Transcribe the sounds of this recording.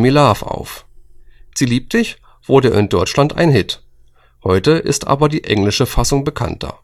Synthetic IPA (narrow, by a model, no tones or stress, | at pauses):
milaːfa̰ʊf | z̥iːliːp̚tɪç | v̥ʊɐdəʔɪ̰ndɔɪt͡ʃlanta̰ɪnɦɪt | hɔʏtəʔɪ̰stʔa̰ːbɐdiːʔɛŋlɪʃəfasʊŋbəkʰa̰ntʰɐ̰